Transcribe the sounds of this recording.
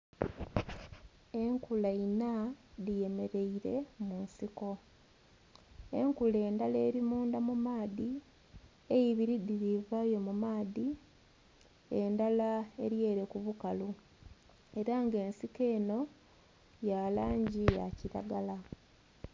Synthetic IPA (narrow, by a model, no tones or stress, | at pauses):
e̞ŋkulainaðije̞me̞ɾe̞iɾe̞̰munsiko̞ | e̞ŋkule̞ːndale̞ːɾimuːndamumaːði | ejiβiɾidiɾivajo̞mumaːði | e̞ndalae̞ɾje̞ːɾe̞kuβukalu | e̞ɾaŋɡe̞ːnsike̞ːno̞ | jalaːɲɟija̰ciɾa̰ɡala